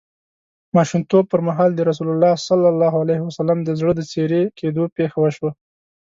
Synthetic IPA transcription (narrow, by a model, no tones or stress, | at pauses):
mɑʃumt̪ob̚pəɾmaɦɑld̪əɾas̬ulʊlːɑsalːalːɑhualajhɪwasalamd̪əzɽəd̪ət͡seɾekʰed̪opexawəʃwa